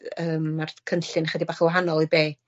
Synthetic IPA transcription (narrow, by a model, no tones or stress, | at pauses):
əːmːarkʰənɬɨnχədibaːχəwaɦanɔlˠɔbeː